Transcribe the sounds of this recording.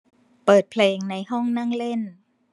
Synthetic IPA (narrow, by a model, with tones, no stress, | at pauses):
pɤː˨˩t̪̚pʰleː˧ŋna˧jɦɔ˥˩ŋna˥˩ŋle˥˩n